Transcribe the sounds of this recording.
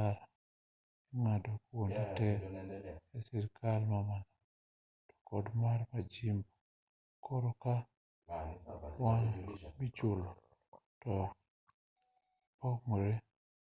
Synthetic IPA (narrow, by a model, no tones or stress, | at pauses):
aɾ | iŋadokwonditɛ | ɛsiɾkʰalmamanɔ | tɔ̥kɔdmarmad͡ʒimbo | kʰɔɾɔka | wanmit͡ʃolo | tɔ | pɔkmoɾe